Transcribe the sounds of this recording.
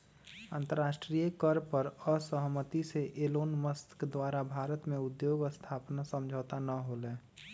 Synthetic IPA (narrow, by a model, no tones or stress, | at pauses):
a̰ːnt̪əɾːaːʃʈɾiːjəkəɾpəɾəsəɦmət̪iseʔeloːnməst̪kd̪waːɾabʱaːɾət̪mẽʊd̪joːɡəst̪ʰaːpnasə̃md͡ʒʱəːt̪anəɦolẽː